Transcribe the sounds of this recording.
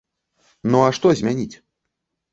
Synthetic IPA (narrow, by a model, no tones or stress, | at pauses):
nɔaʂt̪ɔzʲmʲanʲit͡sʲ